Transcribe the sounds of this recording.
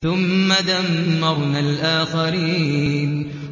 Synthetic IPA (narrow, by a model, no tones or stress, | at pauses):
θʊmːad̪amːɑɾˤnalʔaːxaɾiːn